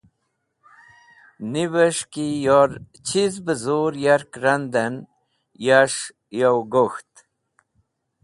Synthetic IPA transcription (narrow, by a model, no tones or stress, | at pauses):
nivəʂkijoɾ | t͡ɕʰizbəzuɾjaɾkɾand̪ən | jaʂ | jowɡoxt̪